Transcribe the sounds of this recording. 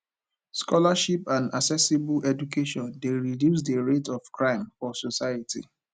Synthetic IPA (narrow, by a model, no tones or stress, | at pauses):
skɔlaʃipãna̰ksɛsebuʔɛd͡ʒukʰeʃɔ̃ndeɹidjus̬deɹetɔfkɹãɪ̃mfɔsosaɪatḭ